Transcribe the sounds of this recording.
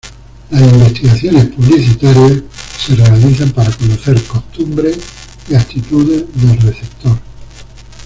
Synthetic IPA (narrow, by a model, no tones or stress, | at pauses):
lasimbe̞st̪iɣaθjo̞ne̞spuβliθit̪aɾjasse̞re̞aliθampaɾako̞noθe̞ɾko̞st̪umbɾes | iat̪it̪uðe̞ðe̞lreθe̞p̚t̪oɾ